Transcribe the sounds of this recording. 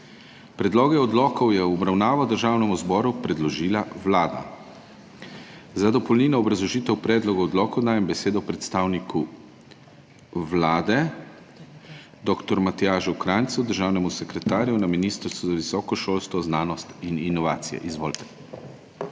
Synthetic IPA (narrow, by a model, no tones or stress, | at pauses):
pɾɛd̪lɔːɡɛɔd̪lɔːkɔwjɛwɔbɾawnaːʋɔd̪əɾʒaːwnɛmuzbɔːɾupɾɛd̪lɔʒiːlawlaːd̪a̰ | zad̪ɔpɔlniːnɔɔbɾazlɔʒiːt̪ɛwpɾɛːd̪lɔɡɔɔd̪lɔːkɔwd̪aːjɛmbɛseːd̪ɔpɾɛt̪st̪aːwnikʰu | wlaːd̪ɛ | d̪ɔːkt̪ɔɾmat̪ijaːʒukɾant̪sud̪əɾʒaːwnɛmusɛkɾɛt̪aːɾjunaminist̪əɾst̪ʋuzaʋisɔːkɔʃoːlst̪ʋɔznaːnɔst̪ininɔʋaːt̪sijɛ̰ʔizʋo̰ːlt̪ɛ̥